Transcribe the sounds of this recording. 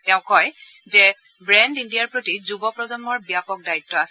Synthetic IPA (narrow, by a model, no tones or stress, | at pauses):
tɛ̃ʊ̃kɔj | zɛ | bɹɛndindijaɹpɹotizubɔpɹɔzɔnbɔɹbijapɔk̚daitːɔasɛ